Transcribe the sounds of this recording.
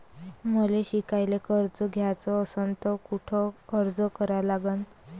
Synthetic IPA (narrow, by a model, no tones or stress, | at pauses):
məleɕikajlekəɾd͡zɔɡʱjat͡sɔːsənt̪ɔkuʈʰɔːɾd͡zɔkəɾalaɡən